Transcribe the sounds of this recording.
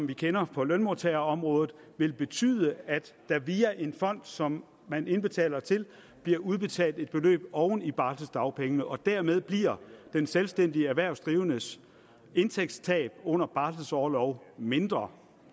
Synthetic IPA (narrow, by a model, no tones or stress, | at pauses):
sɒ̽mʋikʰenɐpʰɒ̽lønmo̝t͡sʰeɐɒ̽mʁɔ̽ːð̞̩ˠ | ʋe̝lb̥e̝t͡sʰy̰ːð̞ˠəæd̥ːæʋiːæʔe̝nfɒ̽n̰d̥sɒ̽mː | æne̝nb̥e̝t͡sʰɛ̰ːlɐt͡sʰe̝l | b̥liɐʔuð̞ˠb̥e̝t͡sʰɛ̰ːld̥e̝d̥̚b̥e̝lø̰ːb̥ɒʊnib̥ɑ̈ːld̥əsd̥ɑ̈ʊpʰeŋənəʔɒ̽d̥æɐmeð̞ˠb̥liɐ̰d̥enselsd̥en̰d̥iəæʋæɐ̰ʊsd̥ʁiːʊnəs | e̝nt͡sʰeɡ̥st͡sʰɛ̰ːb̥ɔ̽n̰ɐb̥ɑ̈ːld̥əsɒːlɒʊme̝nd̥ʁɐ